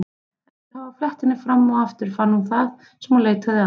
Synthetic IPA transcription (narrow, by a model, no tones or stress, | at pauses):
havaflɛht̪ɪnːɪfɾamːɔaft̪ɪɾ̥fanːhunθað | sɛmɔleːt̪ʰaða